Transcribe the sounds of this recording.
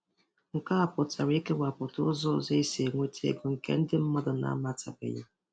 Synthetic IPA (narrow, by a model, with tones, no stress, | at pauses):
ŋ̩˨ka˦a˨pʊ˨ta˨ɾi˦ke˦wa˨pʊ˨tʊ˦zɔ˦˨ze˦i˦se˨ŋʷe˦tʰḛ˦ɡo˨ŋ̩˨kḛ˦n̩˦dɪ˦m̩˦mɔ˦dʊ˨na̰˨˦ma˦˨ta˨bɪ̰˨ja̰˦